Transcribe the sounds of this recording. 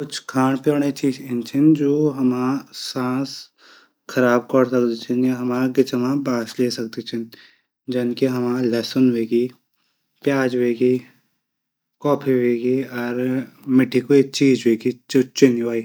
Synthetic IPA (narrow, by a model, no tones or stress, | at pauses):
kʊt͡ʃʰkʰaːɳ̃poːɽ̃et͡ʃʰit͡ʃɪnt͡ʃʰɪnd͡ʒoːɦɐmasãːs | kʰɐɾaːb̚kɔɾsɐkd̪it͡ʃʰɪnjeɦɐmaːɡɪt͡ʃəmãbaːʃleːsɐk̚d̪it͡ʃʰɪn | d͡ʒɐnkiɦɐmaːlɛːsʊnʋeːɡiː | pjaːd͡ʒʋeːɡi | kɔːpʰiʋeːɡiɔːɾmɪʈʰːikoet͡ʃiːd͡ʒʋeːɡit͡ʃot͡ʃɪnʋaːi